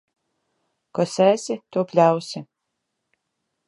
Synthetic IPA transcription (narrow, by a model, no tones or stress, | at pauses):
kɔsʲæːsʲɪt̪uɔpʲlʲawsʲɪ